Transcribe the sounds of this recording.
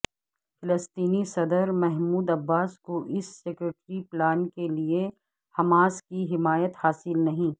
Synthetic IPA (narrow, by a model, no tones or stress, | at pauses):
fʰɪləst̪iːnisɐd̪əɾmɛɦmuːd̪ɐbːaːskoʔɪsːeːkɾeːʈɾiplaːnkelie | hɐmaːskiɦɪmaːjət̪haːsɪlnɐɦĩː